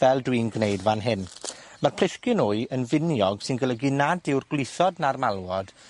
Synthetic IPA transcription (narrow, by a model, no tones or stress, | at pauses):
vɛlˠdwiːnɡnejdvanɦɪn | marpʰl̥ɪskɪnʊɨənvɪnjɔɡ̥sɪnɡəlˠəɡinadɪwrɡlɪθɔdnarmalˠwɔd̥